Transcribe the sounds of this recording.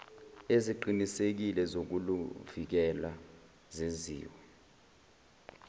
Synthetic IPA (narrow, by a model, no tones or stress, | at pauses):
eziǃinisek̬ilɛzok̬uluv̥ik̬ɛla | zezḭːwɛ